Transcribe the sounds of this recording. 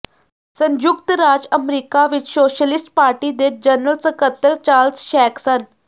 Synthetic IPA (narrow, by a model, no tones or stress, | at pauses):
sənd͡ʒʊkt̪ɾaːd͡ʒəmɾiːkaːʋɪt͡ʃsoːʃəlɪsʈpaːɾʈiːd̪ed͡ʒənəlsəkət̪ːəɾt͡ʃaːlsʃɛːksən